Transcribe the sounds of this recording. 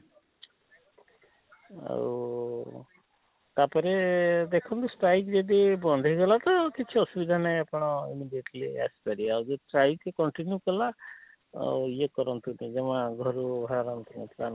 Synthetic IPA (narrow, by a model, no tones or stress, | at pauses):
a̰u | t̪apɔɾed̪ekʰɔnt̪usʈajkd͡ʒed̪ibɔnd̪ʱɔiɡɔlat̪ɔkit͡ʃʰiɔsubid̪ʱanajapɔɽ̃ɔḭmiɖieʈlia̰si̥paɾiawd͡ʒeiʈɾajtekɔɳʈinjukɔla̰ | ijekɔɾɔnt̪unid͡ʒemaɡʱɔɾubʱaɾaɾant̪unipʰlan